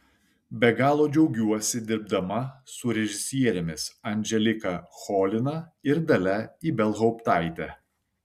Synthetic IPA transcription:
bʲɛɡɑːlˠoːd͡ʒʲɛʊɡʲuɔsʲɪd̪ʲɪɾb̚d̪ɐmɐsʊɾʲɛʒʲɪsʲiɛɾʲɛmʲɪsɐnʲd͡ʒʲɛlʲɪkɐxɔːlʲɪnɐɪɾd̪ɐlʲɛiːbʲɛlˠɦɔʊpt̪ɑˑɪt̪ʲɛ

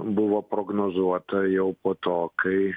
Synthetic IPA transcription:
bʊʋoːpɾoːɡnoːzuɔt̪ɐjɛʊpoːt̪oːkɐɪ

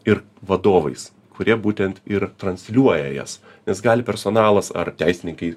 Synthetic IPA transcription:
ɪɾ | ʋɐd̪oːʋɐɪs | kʰʊɾʲiɛbuːt̪ʲɛnt̪ɪɾt̪ɾɐnʲsʲlʲuɔjɛjɛ̰s | nʲɛsɡɑːlʲɪpʲɛɾsonɑːlˠɐsɐ̰rt̪ʲæɪsʲɪnʲɪŋkɐɪ

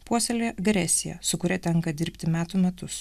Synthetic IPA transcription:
puɔsʲɛlʲeʔɐɡɾʲɛsʲɪjɛ̰sʊkʊɾʲɛt̪ʲɛŋkɐd̪ʲɪɾʲpʲt̪ʲɪmʲæːt̪uːmʲɛt̪ʊs

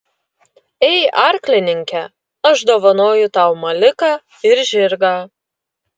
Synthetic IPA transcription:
ɛɪʔɑɾʲklʲɪnʲɪŋʲkʲɛ | ɐʃd̪oːʋɐnoːjʊt̪ɑʊmɐlʲɪkɑː | ɪɾʒʲɪɾɡɑː

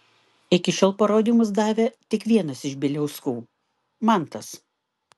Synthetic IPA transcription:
ɪkʲɪʃʲoːlˠpɐɾoːd̪ʲiːˑmʊs̬d̪ɑːʋʲet̪ʲɪkʋʲiɛnɐsɪʃbʲɪlʲɛʊskuː | mɑˑnt̪ɐs

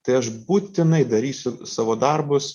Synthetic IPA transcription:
t̪ɐɪɐʃbuːt̪ʲɪnɐɪd̪ɐɾʲiːsʲʊsɑːʋoːd̪ɐɾbʊs

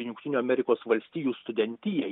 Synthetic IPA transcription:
jʊŋkt̪ʲɪːnʲuːɐmʲɛɾʲɪkoːsʋɐlʲsʲt̪ʲiːjuːst̪ʊd̪ʲɛnʲt̪ʲɪjɛ

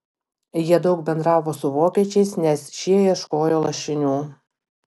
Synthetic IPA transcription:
jiɛd̪ɒʊk̚bʲɛnd̪ɾɑːʋoːsʊʋoːkʲiɛt͡ʃʲɛɪsnʲɛsʃʲiɛjiɛʃkoːjoːlˠɐʃʲɪnʲuː

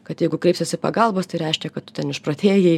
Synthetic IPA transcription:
kɐt̪jɛɪɡʊkɾʲɛɪpsʲɪsɪpɐɡɐlˠboːst̪ɐɪɾʲɛɪʃʲkʲɛkɐt̪̚tʊ̥tʲɛnɪʃpɾoːt̪ʲeːjɛɪ

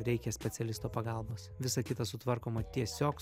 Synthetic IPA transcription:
ɾʲɛɪkʲɛsʲpʲɛt̪sʲɛlʲɪst̪oːpɐɡɑlˠboːsʋʲɪsɐkʲɪt̪ɐsʊt̪ʋɐɾkoːmɐt̪ʲiɛsʲoːk

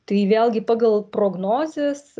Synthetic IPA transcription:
t̪ɐɪʋʲeːlʲˠɡʲɪpɑːɡɐlˠpɾoːɡnoːzʲeːs

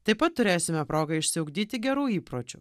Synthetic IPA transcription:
t̪ɐɪpɐt̪tːʊɾʲeːsʲɪmʲɛpɾoːɡɐɪʃʲsʲɪʊɡd̪ʲiːt̪ʲɪɡʲɛɾuːiːpɾoːt͡ʃʲṵ

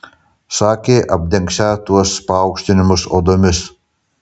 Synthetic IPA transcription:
sɑːkʲeːʔɐb̚ʲd̪ʲɛŋʲksʲæːt̪uɔspɐɐʊkʃʲt̪ʲɪnʲɪmʊso̰ːd̪omʲɪs

